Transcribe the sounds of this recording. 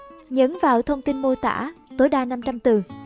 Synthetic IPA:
ɲə˨˦nvaː˨˩wt̪ʰə˧wŋ͡mt̪i˧nmo˧jt̪a̰ː˧˥t̪o˨˦jɗaː˧na˧mt͡ɕa˧mt̪ɨ˨˩

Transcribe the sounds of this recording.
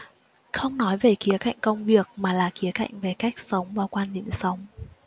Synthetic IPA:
xə˧wŋ͡mnɔ˨˦jve˨˩ki˨˦əka̰˧˨jŋ̟kə˧wŋ͡mvi˨˩ək̚maː˨˩laː˨˩ki˨˦əka̰˧˨jŋ̟ve˨˩ka˦˥jk̟̚sə˨˦wŋ͡mvaː˨˩wkwaː˧nɗḭ˧˨msə˨˦wŋ͡m

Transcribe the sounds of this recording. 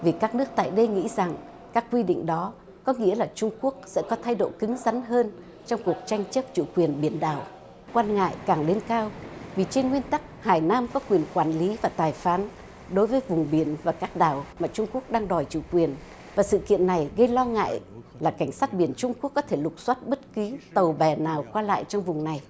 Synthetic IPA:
vi˨˩kaː˦˥k̚nɨ˦˥ək̚t̪a̰ː˧˨jɗə˧jŋḭ˧˥za˨˩ŋ | kaː˦˥kːwi˧ɗḭ˧˨ŋ̟ɗɔ˨˦ | kɔ˨˦ŋḭ˧˥əlaː˨˩t͡ɕʊ˧ŋ͡mku˦˥ək̚sɛ̰˧˥kɔ˨˦t̪ʰa˧jɗo̰˧˨kɨ˨˦ŋza˨˦nɦəː˧n | t͡ɕɔ˧wŋ͡mku˨˩ək̚t͡ɕa˧jŋ̟t͡ɕə˦˥p̚t͡ɕṵ˧˩kwi˨˩ənɓi˧˩ənɗa̰ː˨˩w | kwaː˧nŋa̰ː˧˨jkaː˨˩ŋle˧nkaː˧wvi˨˩t͡ɕe˧nŋwi˧ənt̪a˦˥k̚haː˨˩jnaː˧mkɔ˨˦kwi˨˩ənkwaː˧˩nli˨˦vaː˨˩t̪aː˨˩jfaː˨˦n | ɗo˨˦jvəː˨˦jvʊ˨˩ŋ͡mɓi˧˩ənvaː˨˩kaː˦˥k̚ɗaː˨˩wmaː˨˩t͡ɕʊ˧ŋ͡mku˦˥ək̚ɗaː˧ŋɗɔ˨˩jt͡ɕṵ˧˩kwi˨˩ən | vaː˨˩sɨ̰˧˨kḭ˧˨ənːa˨˩jɣə˧jlɔ˧ŋa̰ː˧˨j | laː˨˩ka˧˩jŋ̟saː˦˥t̚ɓi˧˩ənt͡ɕʊ˧ŋ͡mku˦˥əkːɔ˨˦t̪ʰe˧˩lʊ˨˩k͡p̚swa˦˥t̚ɓə˦˥t̚ki˨˦t̪ə˨˩wɓɛ˨˩naː˨˩wkwaː˧la̰ː˧˨jt͡ɕɔ˧wŋ͡mvʊ˨˩ŋ͡mna˨˩j

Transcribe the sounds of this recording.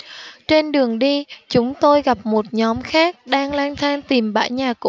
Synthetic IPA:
t͡ɕe˧nɗɨ˨˩əŋɗi˧t͡ɕʊ˨˦ŋ͡mt̪o˧jɣa˨˩p̚mo˨˩t̚ɲɔ˨˦mxaː˦˥k̚ɗaː˧ŋlwaː˧nt̪ʰaː˧ŋt̪i˨˩mɓa̰ː˧˥˩jɲaː˨˩kṵ˧˥

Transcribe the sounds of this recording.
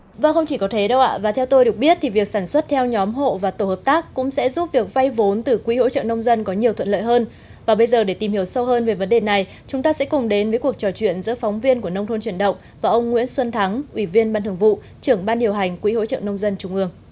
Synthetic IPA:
vaː˨˩xə˧wŋ͡mt͡ɕi˧˩kɔ˨˦t̪ʰe˨˦ɗə˧wʔa̰ː˧˨vaː˨˩t̪ʰɛ˧wt̪o˧jɗɨ˨˩ək̚ɓi˦˥ət̚t̪ʰi˨˩vi˨˩ək̚saː˧˩nswə˦˥t̚t̪ʰɛ˧wɲɔ˨˦mɦo̰˧˨vaː˨˩t̪o˧˩həː˨˩p̚t̪aː˦˥kːʊ̰˧˥ŋ͡msɛ̰˧˥zu˦˥p̚vi˨˩ək̚va˧jvo˨˦nt̪ɨ˨˩kwḭ˧˥ho̰˧˥t͡ɕə̰ː˧˨nə˧wŋ͡mzə˧nkɔ˨˦ɲi˨˩ət̪ʰə̰˧˨nlə̰ː˧˨jɦəː˧n | vaː˨˩ɓə˧jzəː˨˩ɗe˧˩t̪i˨˩mhi˨˩əwsə˧whəː˧nve˨˦jvə˨˦nɗe˨˩na˨˩j | t͡ɕʊ˨˦ŋ͡mt̪aː˧sɛ̰˧˥kʊ˨˩ŋ͡mɗe˨˦nvəː˨˦jku˨˩ək̚t͡ɕɔ˨˩t͡ɕwḭ˧˨ənzɨ̰˧˥əfɔ˨˦wŋ͡mvi˧ənku˧˩ənə˧wŋ͡mt̪ʰo˧nt͡ɕwi˧˩ənɗə̰˧˨wŋ͡m | vaː˨˩ʔə˧wŋ͡mŋwḭ˧˥ənswə˧nt̪ʰa˨˦ŋʔwi˧˩vi˧ənɓaː˧nt̪ɨ˨˩əŋvṵ˧˨ | t͡ɕɨ˧˩əŋɓaː˧nɗi˨˩əwɦa˨˩jŋ̟kwḭ˧˥ho̰˧˥t͡ɕə̰ː˧˨nə˧wŋ͡mzə˧nt͡ɕʊ˨˧˩ŋ͡mʔɨ˧əŋ

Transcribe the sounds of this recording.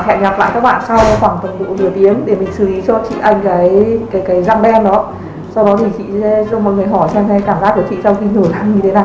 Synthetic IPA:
hɛ̰˧˨˩mɲaː˨˩p̚la̰ː˧˨kaː˦˥k̚ɓa̰ː˧˨nsa˧wxwaː˧˩ŋfə˨˩nɗṵ˧˥lɨ˧˩ət̪i˨˦əmɗe˧˩mi˨˩ŋ̟sɨ˨˧˩ʔi˨˦t͡ɕɔ˧t͡ɕḭ˧˨ʔa˧jŋ̟kaː˨˦jkaː˨˦jkaː˨˦jza˧ŋɗɛ˧nɗɔ˨˦ | sa˧wɗɔ˨˦t̪ʰi˨˩t͡ɕḭ˧˨sɛ̰˨˦zɔ˧mɔ̰˧˨˩ŋɨ˨˩əjɦɔ˧˩jsɛ˧mɛ˨˦kaː˧˩mzaː˦˥k̚kə˧˩t͡ɕḭ˧˨sa˧wxi˧no˧˩za˧˩ŋɲɨ˧e˨˦naː˨˩j

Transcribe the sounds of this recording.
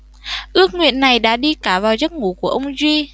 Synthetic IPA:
ʔɨ˦˥ək̚ŋwḭ˧˨ənːa˨˩jɗa̰ː˧˥ɗi˧kaː˧˩vaː˨˩wzə˦˥t̚ŋu˧˩ku˧˩əʔə˧wŋ͡mzwi˧

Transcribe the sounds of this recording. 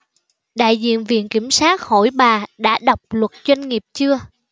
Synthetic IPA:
ɗa̰ː˧˨jzḭ˧˨ənvḭ˧˨ənki˧˩msaː˦˥t̚ho̰˧˩jɓaː˨˩ɗa̰ː˧˥ɗə˨˩wk͡p̚lwə˨˩t̚zwa˧jŋŋi˨˩əp̚t͡ɕɨ˧ə

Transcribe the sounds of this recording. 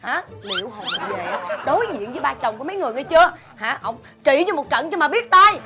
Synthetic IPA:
haː˨˦lḭ˧˨əwɦo˨˩ve˨˩ɗo˨˦jzḭ˧˨ənzɨː˨˦ɓaː˧t͡ɕə˨˩wŋ͡mku˧˩˦m˨˦jŋɨ˨˩əjʔə˨˦jt͡ɕɨ˧ə | haː˨˦ʔə˧wŋ͡m | t͡ɕi˧˩ɲɨ˧mo˨˩t̚t͡ɕə̰˧˨nt͡ɕɔ˧maː˨˩ɓi˦˥ət̚t̪aː˧j

